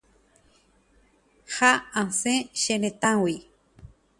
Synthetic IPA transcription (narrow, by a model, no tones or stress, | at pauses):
haãsẽʃenet̪ãwi